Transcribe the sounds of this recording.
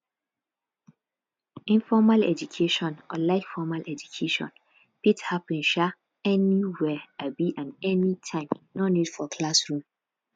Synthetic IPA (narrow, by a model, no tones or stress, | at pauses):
ĩnfɔmalɛ̰d͡ʒukʰeʃɔ̃nɔlaɪkfɔmalʔɛd͡ʒukʰeʃɔ̰̃n | pithapĩnʃa | ɛniwɛabiʔãnɛnitʰãɪ̃mnɔnid̥fɔkʰlasɹũm